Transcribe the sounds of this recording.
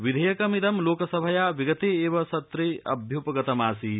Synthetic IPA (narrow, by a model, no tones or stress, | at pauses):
ʋid̪ʱɐjɐkɐmid̪ɐmloːkɐsɐbʱɐjaːʋiɡɐt̪eːeːʋɐsɐt̪ɾeːɐ̰bʱjupɐɡɐt̪ɐmaːsi